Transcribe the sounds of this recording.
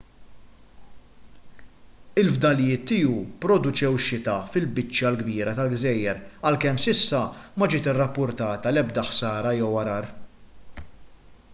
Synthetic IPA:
ɪlvd̪ɐljɪːt̪ːiːupɾɔd̪ʊt͡ʃɛwʃːɪt̪ɐfɪlbɪt͡ʃːjɐlɡbiːɾɐt̪ɐlɡzɛjːɛɾɐlkɛmsɪsːɐmɐd͡ʒɪːt̪ɪrːɐpːʊɾt̪ɐːt̪ɐlɛbd̪ɐħsɐːɾɐjɛwɐɾɐːɾ

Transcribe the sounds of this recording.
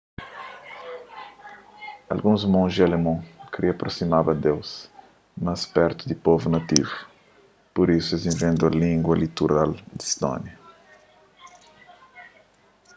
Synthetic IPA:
ɐ̰lɡũzmõzd͡ʒiɐlemõkɾiɐpɾosimabɐd̪ews | mɐspɛɾt̪ud̪ipovunɐt̪ivu | poɾisuezĩvẽnd̪uɐlĩŋɡwɐlit̪uɾald̪ist̪ɔ̰̃njɐ

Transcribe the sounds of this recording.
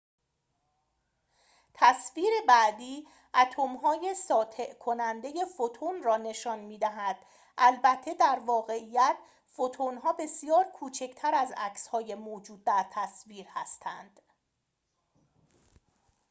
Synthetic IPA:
t̪ʰæsviːɾe̞bæʔd̪iː | ʔæt̪ʰomɦɒːje̞sɒːt̪ʰe̞ʔkʰo̞nænd̪e̞je̞fot̪ʰonrɒːne̞ʃɒːnmiːd̪æɦæd̪̥ | ʔælbæt̪ʰːe̞d̪æɾvɒːɣe̞ijæt̪ʰ | fot̪ʰonɦɒːbe̞sijɒːɾkʰuːt͡ʃʰe̞cʰt̪ʰæɾæzæ̰cshɒːje̞moːd͡ʒuːd̪̚ːæɾt̪ʰæsviːɾhæst̪ʰæ̰nd̪̥

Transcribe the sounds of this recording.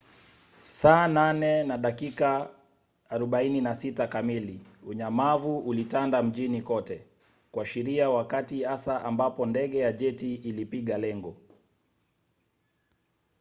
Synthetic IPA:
saːnanɛnaɗakikaː | ɾɔɓaininasitakamiliuɲamavuʔulitandam̩ʄinikɔtɛ | kwaʃiɾiawakatihasaʔambapɔndɛɠɛjaʄɛtiːlipiɠalɛŋɡɔ

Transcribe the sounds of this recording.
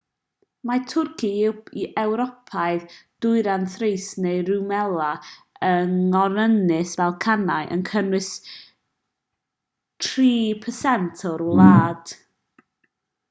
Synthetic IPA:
matʰʊrkʰiiʔɛwɾɔpʰaɨðd̥ʊɨɾanθrejsnejɾumɛlˠa | əŋɔɾənɪsvɛlˠkʰanaɨʔə̰nkʰənwɨs | tʰriːpʰəsɛntʰɔɾlˠaːd̥

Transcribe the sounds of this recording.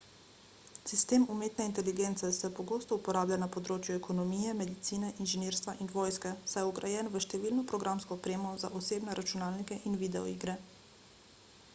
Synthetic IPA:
sist̪eːmumeːt̪nɛint̪ɛliɡent̪sɛsɛpɔɡoːst̪ɔupɔɾaːblʲanapɔd̪ɾoːt͡ʃjuɛkɔnɔmiːjɛmɛd̪it̪siːnɛʔinʒɛneːɾst̪ʋaʔinʋoːjskɛsajɔɡɾajɛːnʋəʃt̪ɛʋiːlnɔpɾɔɡɾamskɔːpɾeːmɔzaʔɔseːbnɛɾʔat͡ʃunaːlnikɛʔinʋid̪ɛɔ̰ḭːɡɾɛ

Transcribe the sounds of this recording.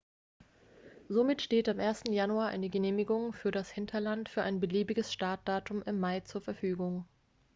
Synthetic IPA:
zomɪtʃteːtamʔeːɐstn̩januaːɐʔa̰ɪnəɡəneːmɪɡʊŋfyːɐɾashɪntʰɐlantfyːɐʔaɪnbəliːbɪɡəsʃtaɐt̚d̥aːtʊmʔɪmːaɪt͡suːɐfɛɐfyːɡʊŋ

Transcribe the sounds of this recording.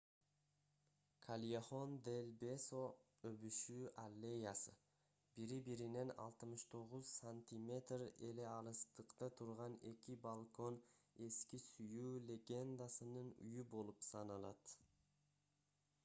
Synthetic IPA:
kʰalʲjeχo̞nd̪elʲbe̞so̞ | øβyʃyalʲːejasɯ | b̥iɾibiɾine̞nɑ̰lˠt̪ɯmɯʃt̪ʰo̞ʁuzsanʲt̪ʲimʲe̞t̪re̞le̞ɑɾɯst̪ɯqt̪ɑt̪ʰuɾʁɑne̞̰kʲibalˠko̞ne̞skʲisyjuːlʲe̞ɡʲe̞nd̪asɯnɯny̰jybo̞lˠupsɑnɑlˠɑt̪

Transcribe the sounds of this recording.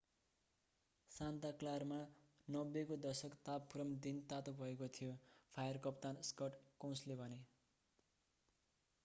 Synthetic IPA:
sãnt̪aklarma | nʌbːekod̪ʌsʌkt̪apʰːuɾʌmd̪int̪at̪obʱʌekot̪ʰijopʰajʌrkʌp̚t̪anskʌʈkõw̃slebʱʌne

